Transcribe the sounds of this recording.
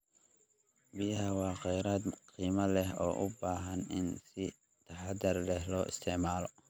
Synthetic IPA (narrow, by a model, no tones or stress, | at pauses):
bijɐɦɐwɑːqɛjɾaːd̪qiːmɐlɛɦɔ̰ːʔʊbaːɦɐnɪnsɪ | t̪ʰɐħad̪ɐrlɛhlɔːʔɪ̰st̪ʰɛʕmaːlɔ